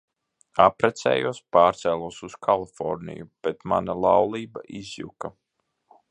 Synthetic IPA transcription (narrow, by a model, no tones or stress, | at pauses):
apɾɛt̪sɛ̰ːjuɔspaːɾt̪sɛːlˠuɔsuskʰalˠifɔɾnḭjub̥et̪ma̰nalˠawlˠiːba̰ʔizjṵka